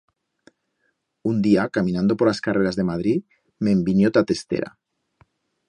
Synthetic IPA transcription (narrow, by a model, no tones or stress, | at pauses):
und̪iakamĩnãnd̪opoɾlaskareɾazðemað̞ɾi | membinjot̪at̪est̪ḛɾa̰